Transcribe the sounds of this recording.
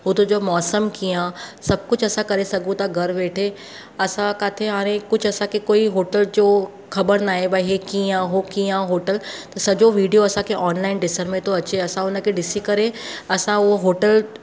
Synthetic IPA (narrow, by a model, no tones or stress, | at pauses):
ʊt̪od͡ʑomɔːsəmkijãsɐb̚kʊd͡ʑʰɐsãkɐɾesɐɡʱũt̪aɡʱɐɾʋeːʈʰe | ɐsãkaːt̪ʰeɦaːɾ̃ẽkʊd͡ʑʱʰɐsãkʰekoːiɦoːʈəld͡ʑoː | xɐbəɾnaːɦebaɦekiãɦokijãɦoːʈəlt̪ɐsɐd͡ʑoʋiːɖijoɐsãkʰeʔɔːnlaːɪnɖɪsəɾmẽt̪ʰoɐt͡ɕeɐsãʊnə̆kʰeɖɪsikɐɾẽɐsãʊɦoɦoːʈəl